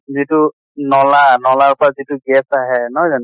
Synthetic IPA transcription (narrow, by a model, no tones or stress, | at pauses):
zitu | nɔlanɔlaɹpʊɹazituɡɛsaɦɛnɔzan